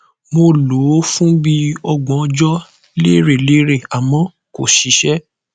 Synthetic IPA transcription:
mo˧lo˨˦fũ˦bi˦ɔ˧ɡ͡bɔ̃˨˧d͡ʒɔ˦ | le˦ɾe˦˨le˦ɾe˦˨a˨mɔ̃˨˦ | ko˨ʃi˨˦ʃɛ˦

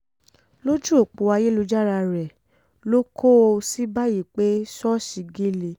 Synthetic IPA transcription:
lo˦d͡ʒu˦o˨k͡po˨˦a˧je˦lo˧d͡ʒa˦ɾa˧ɾɛ˨ | lo˦kʰo˦o˧si˦ba˦ji˦˨k͡pe˨˦sɔ˦ʃi˨˧ɡi˦li˨

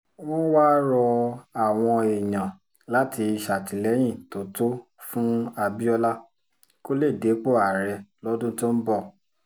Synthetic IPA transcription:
w̃ɔ̃˦waː˦ɾɔ˧a˨w̃ɔ̃˧i˨jã˨ | la˦ti˧i˧ʃa˨ti˨lɛ˨˦j̃ĩ˦˨to˨˦to˦fũ˦a˧bi˦ɔ˧la˦ | ko˦le˦˨de˨˦k͡po˦˨a˨ɾɛ˧lɔ˦dũ˦to˦n̩˦bɔ˦˨

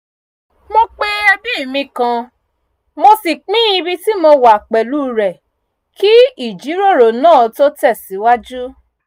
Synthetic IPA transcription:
mo˧k͡pe˦ɛ˧bĩ˦i˦˨mĩ˧kã˧ | mo˧si˨k͡pĩː˦i˧bi˧ti˦mo˧wa˨k͡pɛ˨lu˦˨ɾɛ˨ | ki˦i˦˨d͡ʒi˨˦ɾo˦˨ɾo˨nãː˦˨to˦tɛ˦˨si˨˦wa˦d͡ʒu˦

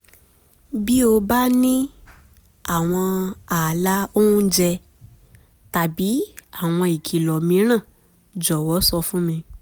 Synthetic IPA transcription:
bi˦o˧ba˦nĩ˦ | a˦˨w̃ɔ̃˧a˨la˨˦o˦ũ˦d͡ʒɛ˧ | ta˨bi˨˦a˦˨w̃ɔ̃˧i˨kʰi˨lɔ˨mĩ˧˦ɾ̃ã˦˨ | d͡ʒɔ˨wɔ˨˦sɔ˧fũ˦mĩ˧

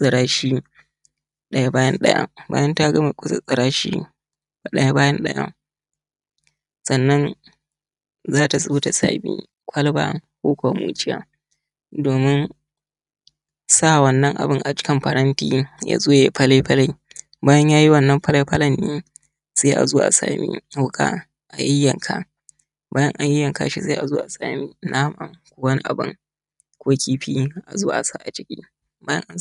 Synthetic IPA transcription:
sʼɪ˨ɽaː˦ʃiː˦ | ɗɐ˦ja˦baː˦jɐ˦nɗɐ̰˦ja̰ː˦ba̰ː˦jɐ˦nta˦ɡɐ˦ma˨kʷʼʊ˦sa̰˨sʼɪ˨ɾaː˦ʃḭː˦ | ba˨ɗɐ˦ja˦baː˦jɐ˦nɗɐ˦ja̰˦ | sɐ˨nːɐ˦n | zaː˦ta˨sʊ˦bu˦ta˨sa̰ː˨bḭː˦ | kʷʰɐ˦lba̰ː˦kʷoː˦kʷo˨wa˨mṵː˦t͡ʃɪ˦ja̰ː˦ | doː˨mɪ˦n | sa˦˨wɐ˦˨nːɐ˦ŋʔa̰˨bɪ˦ŋʔa˨t͡ʃɪ̥˦kʲɐ˦mɸɐ˨ɾɐ˦ntiː˦ja̰ː˨zoː˦je˨pɐ˦la˦jɸɐ˦la˦j | baː˦jɐ˦ɲjaː˦ji˦wɐ˨nːɐ˦mɸɐ˦la˦jɸɐ˦lɐ˨nːiː˦ | seː˦ʔa̰˨zoː˦ʔa̰˨sa̰ː˨mʔḭ˦wʊ˦kʼa̰˦ | ʔa˨jɪ˦jːɐ˨ŋkʰa˦ | baː˦jɐ˦ŋʔa˨jɪ˦jːɐ˨ŋka̰˨ʃi˦sa˦ʔa˨zoː˦ʔa˨saː˨mi˦nʔaː˦ma˨kʷoː˦wɐ˦ni˦ʔa̰˨bɨ̰˦ŋ | kʷoː˦kʲʰiː˦ɸiː˦ʔa˨zoː˦ʔa˨sa˦ʔa˨t͡ʃɪ˦kʲḭː˦ | baː˦jɐ̰˦ŋʔa˦

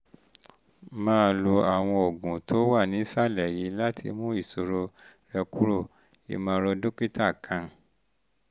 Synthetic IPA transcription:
mãː˦˧lu˧a˨w̃ɔ̃˧o˨ɡũ˨tʰo˨˦wa˦˨nĩ˨˦sa˦˨lɛ˨ji˨˦la˦tʰḭ˧mũ˦i˦˨so˨˧ɾo˧ɾɛ˧ku˦ɾo˦˨ | ḭ˧mãː˧ɾɔ˧do˦ki˦ta˦˨kʰã˨˧

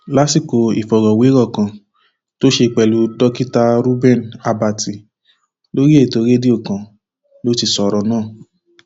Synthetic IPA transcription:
la˦si˦˨ko˨˧ḭ˨fɔ˨ɾɔ̃˨we˨˦ɾɔ˦˨kã˨ | to˦ʃe˧˨k͡pɛ˨lu˨˧dɔ˦ki˦ta˧ɾu˦bɛ̃˦˨na˧ba˧˨ti˨ | lo˦ɾi˦e˦˨to˨˦ɾe˦di˦o˦˨kã˨ | lo˦ti˧sɔ˨ɾɔ˧˦nãː˦˨

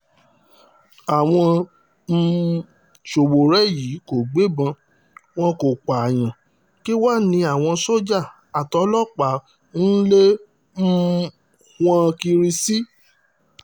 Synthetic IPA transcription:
a˨w̃ɔ̃˧˦ | ʃo˨wo˨ɾɛ˦ji˨˦ko˨ɡ͡be˨˦bã˧ | w̃ɔ̃˦ko˨k͡pa˨j̃ã˨ | ki˦wa˦nĩ˧˦a˨w̃ɔ̃˧so˦d͡ʒa˦˨ | a˨tɔ˨˦lɔ˦˨k͡pa˨˦ | n̩˦le˦ | m̩˦ | hw̃ã˦ki˧ɾi˧si˦

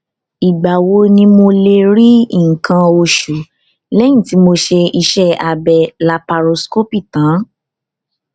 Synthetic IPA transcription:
i˨ɡ͡ba˨wo˨˦nĩ˧mo˧le˧ɾi˦i˦˨ŋ̩˨kã˧o˧ʃu˨ | lɛ˦j̃ĩ˦˨ti˨˦mo˧ʃe˧i˧ʃɛ˦a˧bɛ˨la˧pa˧ɾo˧sko˦pi˦˨tã˨˦

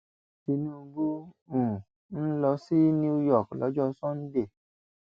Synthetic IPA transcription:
ti˧nũ˦˨˦ɡu˦ | ũ˨ | n̩˦lɔ˧si˦nĩ˦u˦jɔ˦˨klɔ̰˨˦d͡ʒɔ˦˧˦sɔ̃˦n̩˦de˦˨

